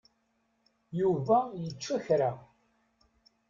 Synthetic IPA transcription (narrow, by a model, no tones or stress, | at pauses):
juvæjət͡ʃːæçɾa